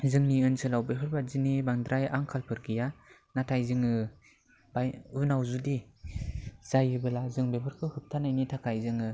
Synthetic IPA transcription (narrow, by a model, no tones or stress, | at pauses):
zɯŋniɯnsɯlawbeɦɯɾbazinebaŋdɾaja̰ŋkʰalpʰɯɾɡija | natʰajzɯŋɯ | baɯnawzudi | z̥ajɯbɯlazɯŋbebɯɾkʰɯhɯp̚tʰanajnitʰakʰajzɯŋɯ